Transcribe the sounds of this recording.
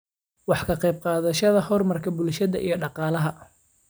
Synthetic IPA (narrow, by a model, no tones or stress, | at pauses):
wɑħkʰɐqɛjb̚qɑːðɐʃɐðɐhɔrmɐrkʰɐbʊlʃɐðɐ̰ʔḭjɞɖɑqɑːlɐɦɐ